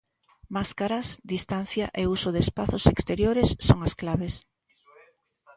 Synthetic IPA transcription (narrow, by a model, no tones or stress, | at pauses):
maskaɾasd̪ist̪an̟θjaʔeusoðespaθosekst̪eɾjoɾesːoŋasklaβes